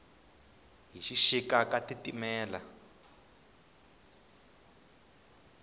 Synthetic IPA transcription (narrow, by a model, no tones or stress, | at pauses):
ɦiʃiʃikakatitimɛːla